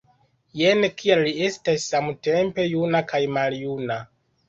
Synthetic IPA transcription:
jenkʰiallie̞stasːamute̞mpe̞junakʰajmaljuna

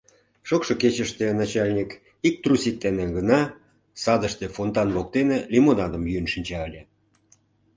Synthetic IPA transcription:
ʃokʃoket͡ɕəʃt̪enɑt͡ɕɑlʲnʲik | ik̚t̪rusʲik̪̚ːenĕɡənɑ | sɑd̪əʃt̪efont̪ɑnβok̚t̪enelʲimonɑd̪ə̆mjynʃinʲt͡ɕɑəlʲe

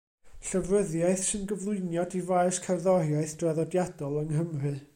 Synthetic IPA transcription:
ɬəvrəðjaɨθsɨnɡəvlˠʊɨnjɔdivaɨskʰarðɔɾjaɨθd̥raðɔdjadɔlˠəŋɦəmrɨ

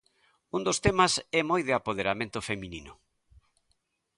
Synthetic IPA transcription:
und̪ost̪emasɛmojðɪapoð̞eɾamẽnt̪ʊfemĩninʊ

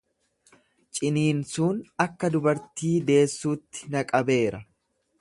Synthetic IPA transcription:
t͡ʃʼɪniːnsuːnɐkːɐd̪ʊbɐɾt̪iːd̪e̞ːsːuːt̪ːɪ̥nɐkʼɐbe̞ːɾɐ

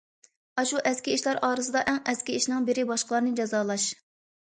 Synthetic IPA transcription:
ɑʃuʔɛskʲiiʃlɛɾɑːɾɨs̬ɨd̪ɑʔɛŋɛskʲiiʃnɪŋbɪɾɪbɑʃqəlˠɑɾnɨd͡ʒɑzɑːlˠɑʃ

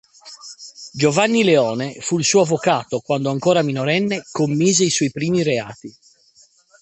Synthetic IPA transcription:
d͡ʒovanːileɔːnefuilsuːoavːokaːt̪okwand̪oaŋkoːɾaminoɾɛnːekomːiːzeiswɔjpɾiːmiɾea̰ːt̪i

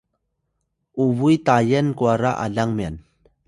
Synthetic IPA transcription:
uvujt̪ajənkuaɾaʔa̰ɮaŋmian

